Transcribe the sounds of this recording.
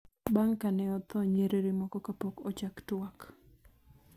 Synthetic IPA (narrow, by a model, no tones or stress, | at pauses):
baŋkanɛɔt̪ɔɲeɾeɾemɔkɔkapokɔt͡ʃaktwak